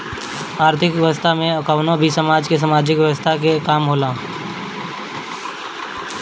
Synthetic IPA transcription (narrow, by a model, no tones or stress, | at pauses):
aːɾt̪ʰɪkʋjəʋəst̪ʰamẽəkaːnobʱisəmaːd͡ʒkes̬əmaːd͡ʒɪkʋjəʋəst̪ʰakekaːmɦoːlaː